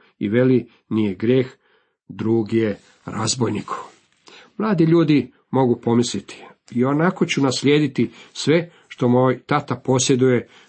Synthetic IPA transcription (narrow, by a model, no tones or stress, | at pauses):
ḭʋe̞li | nijeɡɾjeːx | d̪ɾuːɡije | ɾazbojnikʰu̥ | mlˠaːd̪iʎuːd̪i | mo̞ɡupo̞mislit̪ʰi̥ | io̞nako̞t͡ɕunasʎʲeːd̪it̪isʋe̞ | ʃt̪o̞mojt̪at̪apo̞sje̞d̪uje̞